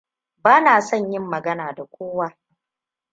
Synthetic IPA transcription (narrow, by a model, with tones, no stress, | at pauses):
baː˦naː˨sɔ˦˨ɲjɪ˦mːɐ˨ɡɐ˦naː˨da˨kʷoː˦waː˦